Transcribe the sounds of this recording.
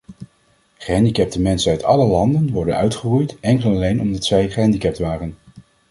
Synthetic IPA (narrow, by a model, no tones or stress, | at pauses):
χəɦɛndikɛp̚təmɛnsənœɥtɑ̰ləlɑndənʋɔɹdə̰nœ̰ɥtχərujtɛŋkəlɑlejnɔmdɑtsɛjχəɦɛndikɛp̚tʋaːrən